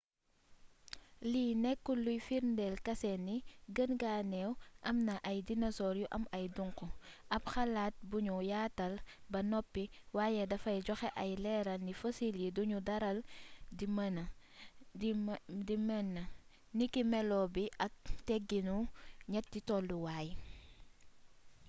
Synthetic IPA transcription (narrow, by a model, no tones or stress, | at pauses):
linɛkːulujfiɾndɛlkɐsɛnːiɡənɡanɛwʔɐmnɐʔɐjdinɐsɔɾjuʔɐmɐjduŋkuʔɐpxɐlaːt̚buɲujaːtɐlbɐnɔpːi | waːjɛdɐfɐjɟɔxɛʔɐjlɛɾɐlnifosiljiduɲudɐɾɐldimɐn | dimɛnːɐ | nikimɛlɔbiʔɐk̚tɛɡinuɲɐt̚ːitɔlduwaːj